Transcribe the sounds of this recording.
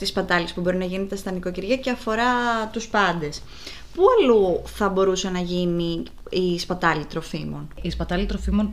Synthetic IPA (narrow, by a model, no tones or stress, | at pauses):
t̪ispɐt̪ɐlispubo̞ɾinɐʝinet̪ɐst̪ɐniko̞ciɾʝɐce̞ɐfo̞ɾɐt̪uspɐnd̪e̞s | puɐluθɐbo̞ɾusɐnɐʝini | ispɐt̪ɐlit̪ɾo̞fimo̞nispɐt̪ɐlit̪ɾo̞fimo̞n